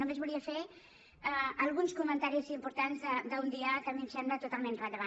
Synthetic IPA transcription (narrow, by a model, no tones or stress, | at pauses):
omezβuliəfe | əəlˠɣunskumənt̪aɾiziːmpuɾt̪anzðəd̪əund̪iəkəmimsemblət̪ut̪alˠmenrəd̪əβa